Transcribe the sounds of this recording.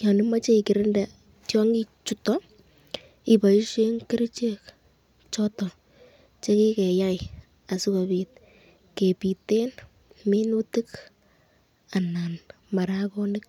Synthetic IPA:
jɔ˨nima˦t͡ʃe˦i˨kɪ˨ɾɪnda˨ | tjɔ˦ŋɡi˦t͡ʃutɔ | i˨pa˨i˦ʃe˦ŋke˦ɾi˦t͡ʃe˦k | t͡ʃɔtɔ˨ | t͡ʃe˦ki˦kɛ˨ja˦j | a˨su˦ka˨bit̚ | ke˨pi˨te˦n | mi˦nu˦ti˦k | a˨nan | ma˨ɾakɔnɪk̚

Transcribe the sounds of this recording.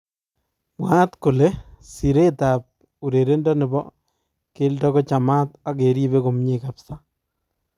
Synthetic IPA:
mwa˦tkʊ˨le˦si˨ɾe˦ta˨p̚ | u˨ɾe˨ɾe˦ndɔ˦nɪ˨bɔ̰˦ | kɪ˦ldɔ˦kɔ˦t͡ʃa˨ma˦ta˦ke˨ɾi˦be˦ko˨mɲeka˨psa˦

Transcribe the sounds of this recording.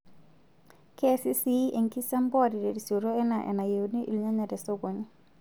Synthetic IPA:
ke˦si˦si˦e˨ŋki˦sa˦mbɔ˦˨di˨de˨di˨so˨ɾo˦ɛ˦na˨ʔɛ̰˨na˨je˨wni˦ʔḭ˨lɲa˦ɲa˨dɛ˨so˦ɡo˨ɲ˦

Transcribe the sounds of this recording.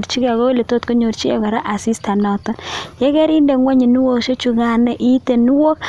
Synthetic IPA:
ɾt͡ʃi˦ka˨ɣo˦le˨to˦tko˦ɲo˨ɾt͡ʃi˦ɛ˨kɔ˨ɾa˦ʔa˨si˦sta˨nɔ˨tɔ˦njɛ˦kɛ˦ɾi˦ndɛ˨ŋwa˦ɲi˨nu˦wo˦kʃo˦t͡ʃu˨ɡa˨nɛ˦ʔi˦te˨nu˦wo˦k

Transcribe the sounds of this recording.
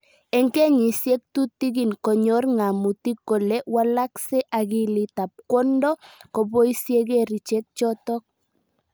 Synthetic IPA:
ɛ˨ŋkɛ˦ɲi˨sje˦k̚tu˦tːi˦ɡi˨nkɔ˨ɲɔ˦rŋa˨mu˨ti˦ko˨le˦wa˦la˦ksɛ˦ʔa˨ki˦li˨ta˨p̚kɔ˦ndɔ˦ko˨bo˦i˦sje˦k̬e˦˨ɾi˨t͡ʃe˦k̚t͡ʃɔ˦tɔ˦k̚

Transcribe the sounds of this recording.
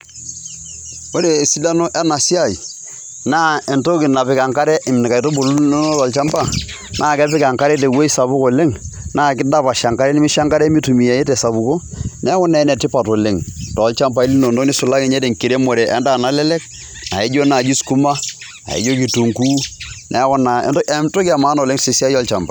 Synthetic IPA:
o˦ɾe˨si˦la˦no˦ʔɛ˦na˨si˦a˦˨i˨ | naː˦e˨nto˦kɪ˨na˨pɪ˨˦ka˨ŋka˦ɾɛ˦ʔɪ˨mni˨ka˨i˨to˦bo˨lno˦tɔ˨lt͡ʃa˦mpa˦˨ | nʔaː˦˨kɛ˦pɪ˦ka˨ŋka˦ɾɛ˦t̬e˨we˦i˦sa˨bu˦ko˨le˦ŋnaː˦˨kɪ˦da˦pa˨ʃa˨ŋka˦ɾɛ˦nɪ˦mɪ˦ʃa˦ŋka˦ɾɛ˦mi˦tu˨mi˨ja˨je˦tɛ˨sa˨bu˨ko˦nɛ˦kɔ˦nɛ˨˦nɛ˨tɪ˦pa˨to˨le˦˨ŋtɔ˨lt͡ʃa˦mpa˨i˦li˦no˨no˦ni˦su˨la˦kɪ˨ɲɛ˦te˨ŋki˨ɾe˦mo˨ɾɛ˨ʔɛ˦ndaː˦˨na˨˦lɛ˦lɛ˦k | na̰˨e˦d͡ʒo˦na˨d͡ʒi˦sku˦ma˦ | na̰˨ḛ˨˦d͡ʒo˦ki˨tu˨ŋkuː˦nʔɛ˨˦kɔ˦na̰˨˦˨mto˦kɪ˦a˨maː˨˦no˨le˦ŋse˨si˦a˦jɔ˦lt͡ʃa˨mba̰˨

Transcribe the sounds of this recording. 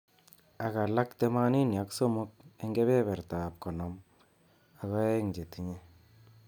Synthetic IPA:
a˨ka˨la˦kte˦ma˦ni˦nja˨kso˦mu˦k̚e˦ŋɡe˦βe˦bɛ˨ɾta˨p̚kɔ˨nɔ˨˦m | a˨kɔ˦e˦ŋd͡ʒe˨ti˦ɲe˦

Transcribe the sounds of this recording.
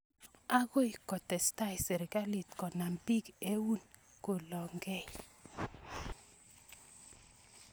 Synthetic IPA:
a˦ɡo˦i˨kɔ˨tɛ˨sta˦i˨sɛ˨ɾɪ˨ɡa˦li˨tkɔ˨na˨mpi˦ɡe˦wu˦n | ko˨lɔ˨ŋɡɛ˦˨j

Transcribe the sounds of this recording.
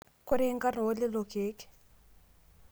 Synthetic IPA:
kʊ˦ɾe˦ŋka˦nʊ˨o˦lɪ˦lo˨keː˦k

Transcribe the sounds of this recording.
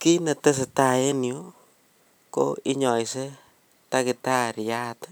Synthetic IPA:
ki˦ne˨te˦se˨ta˨e˦njo˦ | ko̰˦i˦ɲɔ˨jse˦ | ta˦ki˨ta˦ɾja˦t

